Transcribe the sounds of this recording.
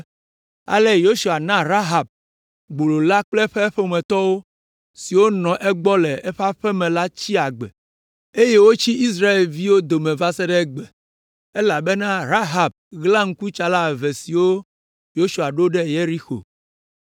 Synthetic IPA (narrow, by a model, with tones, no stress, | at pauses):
a̰˨lɛ˦jo˦su˨a˨nã˦ɾa˦ɦa˨b̚ | ɡ͡bo˨lo˨la˦k͡plɛ˦ɸɛ˦ɸe˦o˦mɛ̃˨t̪ɔ˦wo˦ | si˨wo˦nɔ̃˨ʔɛ˦ɡ͡bɔ˦lɛ˨ɛ˦ɸa˦ɸɛ˦mɛ̃˨la˦t͡ɕi˦a˨ɡ͡bɛ˨ | e˦je˦wo˦t͡ɕi˦i˦s̬ɾa˦e˨lvi˦wo˦d̪o˨mẽ˨va˦sɛ˦ɖɛ˦ɡ͡bɛ˨ | e˦la˨be˦nã˦ɾa˦ɦa˨b̚ɣlã˦ŋ̩˦ku˦t͡ʃa˨la˦˨vɛ˨si˨wo˦ | jo˦su˨a˨ɖo˦ɖɛ˦je˦ɾi˦xo̰˨